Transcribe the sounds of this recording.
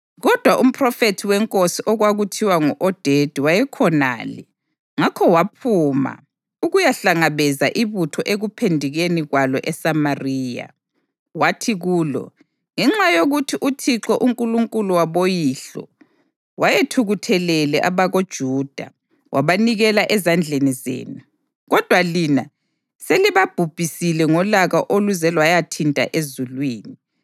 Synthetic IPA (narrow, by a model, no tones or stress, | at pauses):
ɣɔd̥ʱwaʔum̩pʰʼrɔfetʰiwɛŋkʼosiʔɔɣwaɣutʰiwaŋuʔɔd̥ʱed̥ʱiwajɛkʰɔna̰ːlɛ̰ | ŋakʰɔwapʰuma̰ | uɣujaɬaŋaβɛzaʔiβutʰɔʔeɣupʰendʱiɣeniɣwalɔʔɛsamariːja̰ | watʰiɣuːlɔ̰ | ŋɛŋ͡ǁajoɣutʰiʔutʰiǁɔʔuŋkʼuluŋkʼuluwaβojiɬɔ̰ | wʔajetʰuɣutʰɛlɛlɛʔaβaɣod̥ʒ̥ʱuːd̥ʱa̰ | wʔaβaniɣɛlaʔɛzand͡ɮʱenizḛːnu | ɣɔd̥ʱwalina | seliβab̥ʱub̥ʱisilɛŋɔlaɣaʔoluzɛlwajatʰintʼa̰ʔezulwiːni